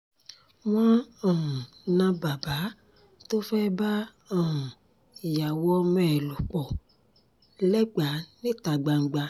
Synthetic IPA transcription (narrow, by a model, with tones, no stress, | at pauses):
w̃ɔ̃˦ɔ̃˨ũ˨nã˧ba˨ba˨˦ | to˦fɛ˦ba˦ | ɔ̃˨ũ˨ | ja˨wɔ˧mɛ̃˦˨lu˨k͡pɔ˨ | lɛ˦ɡ͡ba˨˦nĩ˦ta˨ɡ͡ba˨ŋ͡m̩˨ɡ͡ba˧